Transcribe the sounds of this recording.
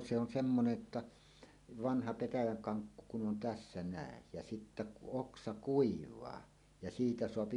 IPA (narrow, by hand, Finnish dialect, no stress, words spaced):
se on semːonej jotːɑ ʋɑnhɑ petæjæŋ kɑŋkːu kun on tæsːæ næˑej jæ sitːæ kuʔ ʔoksɑ kuiʋˑɑː jɑ siːtæ soɑpi